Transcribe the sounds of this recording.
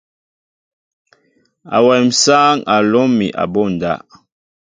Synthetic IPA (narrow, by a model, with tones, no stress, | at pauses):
a̰˨wɛ˨m̩˨saː˦ŋa˨lɔ˦mḭ˨ʔa̰˨bo˦˨n˨da̰˦